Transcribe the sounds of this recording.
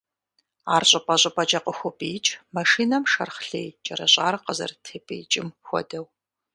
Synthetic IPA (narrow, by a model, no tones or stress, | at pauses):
aːrɕʼɐpʼɐɕʼɐpʼɐd͡ʒɐqəxʷʊpʼiːt͡ʃʼmɐʂiːnɐmʃɐ̰rχɬḛːjt͡ʃʼɐɾɐɕʼaːrqəzɐ̰rtʰeːpʼḛːt͡ʃʼɪmxʷɔ̰dɐw